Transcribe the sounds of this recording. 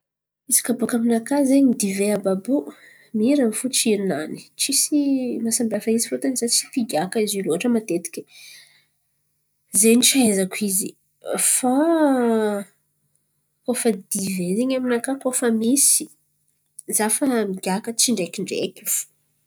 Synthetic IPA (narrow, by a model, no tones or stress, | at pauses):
misi̥kabokaminakazeɲid̪iveababu | miɾanifut͡ʃiɾinani̥t͡ʃisimasambafaizifot̪anizat͡si̥p̪iɡʲakaiziluaʈ͡ʂəmat̪et̪i̥kʲi | zenit͡ʃiazakʰizi | fa | kofəd̪ivezeɲaminakakofəmisi̥ | zafəmiɡʲakət͡ʃiɳɖ͡ʐekʲiɳɖ͡ʐḛkʲifu̥